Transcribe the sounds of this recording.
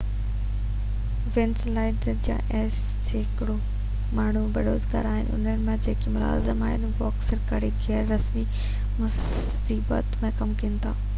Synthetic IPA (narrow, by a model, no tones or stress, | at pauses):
ʋɪ̃nslaːɪɖzəd͡ʑjã̰ːʔɛːs | ɦɪkɪɽo | maːɳ̤ubɪɽoːzɡa̰ɾaːɦɪ̰nɪ̰ʔʊ̰n̤ənɪmẽd͡ʑeːkimʊla̰ːzɪmaːɦɪnbɔːksɐɾkaːɾiɡʱɛːɾːɐsmi | mʊs | iːbə̰t̪mẽkɐmkiənɪt̪ʰaː